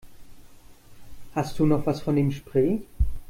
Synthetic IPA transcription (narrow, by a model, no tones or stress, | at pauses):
hast̚d̥uːnɔχv̥asfɔnimʃpʁ̥eː